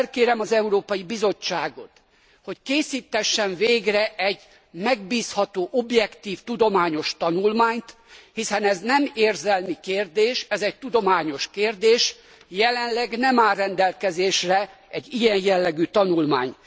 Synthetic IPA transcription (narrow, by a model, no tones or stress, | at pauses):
rkeːɾɛmɒzɛuɾoːpɒjibizo̞t͡ʃːaːɡo̞t̪ | ho̞ckeːsiːt̪ːɛʃːɛɱveːɡrɛʔɛɟ | mɛɡ̚biːshɒt̪oːʔobjɛkt̪iːft̪ud̪o̞maːɲo̞ʃt̪ɒnulmaːɲt̪ | hisɛnɛznɛmeːrzɛlmikeːrd̪eːʃɛzɛct̪ud̪o̞maːɲo̞ʃkeːrd̪eːʃ | jɛlɛnlɛɡnɛmaːrrːɛnd̪ɛlkɛzeːʃrɛɛɟijɛjjɛlːɛɡyːt̪ɒnulma̰ːɲ